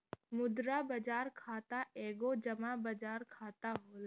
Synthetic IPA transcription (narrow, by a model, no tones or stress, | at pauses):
mʊd̪ɾabɐd͡ʒaːɾkʰaːt̪aeːɡod͡ʒɐmabɐd͡ʒaːɾkʰaːt̪aɦoːl